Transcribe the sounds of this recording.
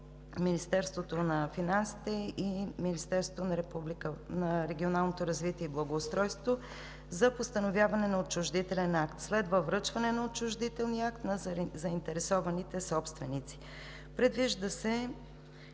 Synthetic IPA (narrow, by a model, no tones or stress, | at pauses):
minist̪ɛɾst̪vot̪onɐfinansi̥t̪ɛiminist̪ɛɾsvot̪onɐɾɛpublikənɐɾɛɡʲionalˠnot̪oɾɐzvit̪iɛiblˠɐɡoːst̪ɾɔjsvo | zɐpost̪ɐnovʲjavɐnɛnɐot͡ʃʊʒd̪it̪ɛlɛnakt̪slɛd̪vəvɾɤt͡ʃvɐnɛnɐot͡ʃʊʒd̪it̪ɛlˠniəakt̪nɐzɐint̪ɛɾɛsɔvɐnit̪ɛsɔpst̪vɛnit̪si̥ | pɾɛd̪viʒd̪əsɛ